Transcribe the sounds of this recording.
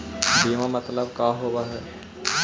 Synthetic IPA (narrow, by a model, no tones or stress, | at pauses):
biːʋãmɐt̪ləbkaːɦoːbaɦɛː